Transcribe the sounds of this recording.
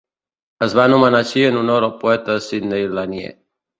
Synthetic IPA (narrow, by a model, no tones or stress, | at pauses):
əzβanumənaʃiənunoɾəlˠpuɛt̪əəsid̪nejlanjḛ